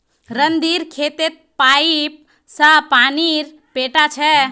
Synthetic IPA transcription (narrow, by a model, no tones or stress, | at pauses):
ɾənd̪iɾkʰet̪et̪̚pajp̚ | səpaniɾ | peʈat͡ʃʰɛ